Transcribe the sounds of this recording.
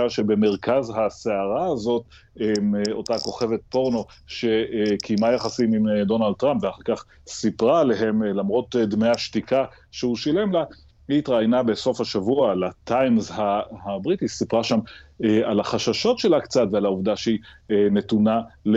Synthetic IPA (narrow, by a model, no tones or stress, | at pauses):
aʃe̞be̞meʁkazɦaseaʁaːzo̞t | emo̞tako̞χe̞ve̞t̪̚po̞ʁno̞ | ʃe̞kʰimajaχasimimd̪o̞nald̪̚tːʁampveaχaʁkaχ | sipʁaːle̞ɦe̞mlamʁo̞t̪d̪meaʃtikʰa | ʃeuʃile̞mla | iːt̪ʁaːjnabe̞so̞fhaʃavualat̪ajmzhahabʁitisipʁaʃamalaχaʃaʃo̞tʃe̞lakt͡satvealauvd̪aʃeine̞tunal